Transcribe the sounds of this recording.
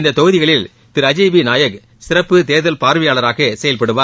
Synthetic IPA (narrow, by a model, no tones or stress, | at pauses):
nd̪ɐt̪ɔɣɯðɪɣɐɭɪl | t̪ɪɾɐd͡ʒɐɪbinaːjɐk | sɪɾɐpːɯt̪eːðɐlpaːɾʋɪjaːɭɐɾaːɣesɛjɐlpɐɽɯʋaː